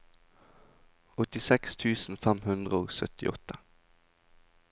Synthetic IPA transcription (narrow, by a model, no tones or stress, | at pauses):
ɔt̪ɪsɛkst̪ʰʉːsn̩fæmhʉnd̪ʁəoːsœ̰t̪ɪ̰ʔɔt̪ə